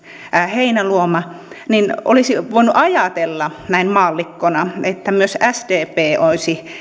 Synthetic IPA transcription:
heinæluomɑ | nino̰lisiʋoinuʔɑjɑt̪elːɑnæinmɑːlːikːonɑet̪ːæmyøsæst̪eːpeːoisi

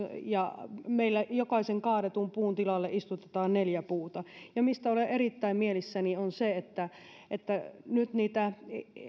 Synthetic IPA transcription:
jɑmeilːæjokɑiseŋkɑːɾet̪umpuːnt̪ilɑlːeʔist̪ut̪et̪ɑːnneljæpuːt̪ɑjɑmist̪æoleʔeɾit̪ːæimmielisːænionseet̪ːæ | ʔet̪ːænyt̪niːt̪æ

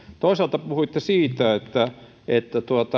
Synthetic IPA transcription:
t̪oˑisɑlt̪ɑpuhuit̪ːesiːt̪æet̪ːæ | et̪ːæt̪uɑt̪ɑ

